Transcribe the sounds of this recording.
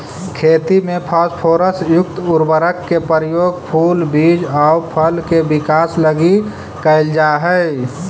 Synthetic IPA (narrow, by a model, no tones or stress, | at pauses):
kʰeːt̪imẽpʰaspʰoːɾəsjʊk̚t̪ʊɾbəɾəkːepəɾjoːɡ̚pʰuːlbiːd͡ʒɔːʊpʰəlkebɪkaːsləɡi | kəɪld͡ʒaːɦə